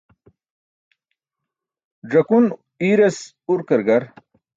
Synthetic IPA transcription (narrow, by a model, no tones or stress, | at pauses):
ɖɐkun | iɾes | uɾkɐɾɡɐɾ